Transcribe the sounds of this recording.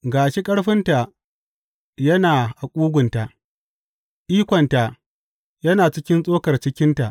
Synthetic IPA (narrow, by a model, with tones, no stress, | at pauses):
ɡaː˨ʃe˦kʼɐ˦ɽɸɪ˦nta˨ | jɐ˦naː˨ʔa˨kʷʼuː˦ɡʷʊ˨nta˨ʔ | ʔiː˦kʷɔ˨nta˨ | jɐ˦naː˨t͡ʃɪ˦kʲɪ˦nsʼoː˦kɐ˨rt͡ʃɪ˦kʲɪ˦nta˨ʔ